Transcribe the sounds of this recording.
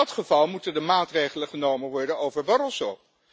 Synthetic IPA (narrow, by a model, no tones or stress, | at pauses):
ɑtχəvɑlˠmutəndəmaːtrejχələχənowməʋɔɹdənowvəɹbɑɾəlˠsow